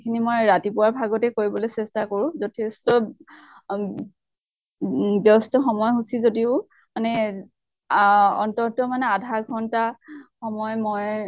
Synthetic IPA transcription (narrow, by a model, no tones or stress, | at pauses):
kʰinimojɹatipʊwaɹbʱaɡɔtɛkoɹibɔlojsɛstakoɹʊ̃zɔtʰestɔ | bɔstɔxɔmɔjɦusizodiʊ | manɛ | ɔ̰ntɔtɔmanɛadʱaɡʱɔntaxɔmɔjmoj